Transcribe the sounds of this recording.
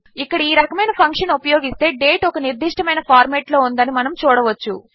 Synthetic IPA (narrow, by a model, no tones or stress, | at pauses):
ikːɐɽɐiːɾɐkɐmɐjnɐpʰɐŋkʂɐnupɐjoːɡist̪e̞ːɖe̞ːʈɔkɐniɾd̪iʂʈɐmɐjnɐpʰaːɾmeːʈlo̞ːund̪ɐnimɐnɐmt͡ʃuːɽɐʋɐt͡ʃːu